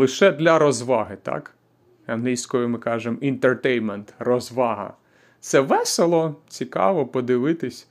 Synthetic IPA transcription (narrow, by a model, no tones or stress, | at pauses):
lˠɪʃɛd̪lʲɐɾɔzʋɑɦɪt̪ɑ̰k | ɐnɦlʲijsʲkɔjʊmɪkɑʒemint̪ert̪ɛjnment̪rɔzʋɑɦɐ̰ | t̪sɛʋɛselˠɔt͡sʲikɑ̰ʋɔpɔd̪ɪʋɪt̪ɪsʲ